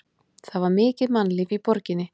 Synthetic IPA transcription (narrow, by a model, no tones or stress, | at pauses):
θavaɾmɪːcɪðmanlɪvipɔɾcɪnːɪ